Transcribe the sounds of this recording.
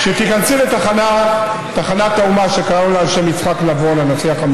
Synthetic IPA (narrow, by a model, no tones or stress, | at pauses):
ʃet̪ikansulet̪aχana | t̪aχanat̪aumaʃekaʁaoleaʃemit͡sχaknavolenosiaχam